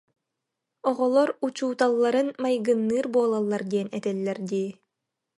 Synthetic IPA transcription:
ɔʁɔlˠɔɾut͡ɕuːt̪alˠːaɾɯnmajɡɯnːɯːɾbuɔlˠalˠːaɾd̪iɛnɛt̪ɛlːɛɾd̪iː

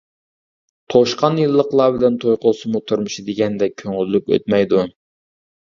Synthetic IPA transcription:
t̪ʰoʃqɑnjɨlˠːəqlˠɑbɪlɛnt̪ʰojqolˠsɨmut̪ʰuɾmʊʃid̪ɪɡʲɛnd̪ɛkʲʰøŋylːykʲø̰t̪̚mɛjd̪u

